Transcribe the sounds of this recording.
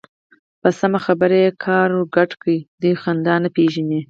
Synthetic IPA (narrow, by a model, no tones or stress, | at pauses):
pəsamaxabəɾeekʰɑɾoɡaʈkəid̪ujxand̪ɑnapeʒani